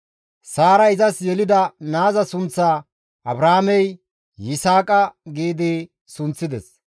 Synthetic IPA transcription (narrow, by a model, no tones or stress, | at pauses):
saːɾɐɪzɐsjɛlɪd̪ɐnaːzɐsʊnt͡sːaː | ɐbɾaːmɛj | jɪsaːkʼɐɡiːd̪ɪ | sʊnt͡sːɪd̪ɛs